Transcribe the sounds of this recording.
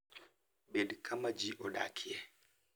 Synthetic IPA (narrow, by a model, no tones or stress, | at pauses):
ɓedkʰamad͡ʒiʔɔɗa̰ːkʰiɛ